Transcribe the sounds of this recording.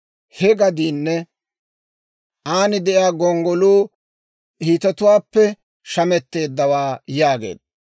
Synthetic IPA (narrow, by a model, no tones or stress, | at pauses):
hɛɡɐd̪iːnːɛ | ʔaːnɪd̪ɛʔjaːɡɔŋɡɔluː | hiːt̪ɐt̪ʊwaːpːɛ | ʃɐmɛt̪ːe̞ːd̪ːɐwaːjaːɡḛːd̪